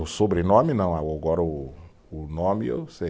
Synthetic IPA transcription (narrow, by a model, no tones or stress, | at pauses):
usobɾinɔminɐ̃w̃awoɡɔɾɐuː | nɔmio̰se